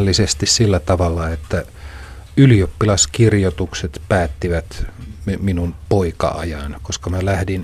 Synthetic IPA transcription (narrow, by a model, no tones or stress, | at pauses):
lːisest̪issilːæt̪ɑʋɑlːɑet̪ːæ | yliopːilɑskirjot̪ukset̪pæːt̪ːiʋæt̪mminunpoikɑ̰ɑ̰jɑnkoskɑmælæhdin